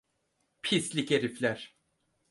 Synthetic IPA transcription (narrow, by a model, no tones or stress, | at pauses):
pʰislʲiceɾiflʲæɾ̥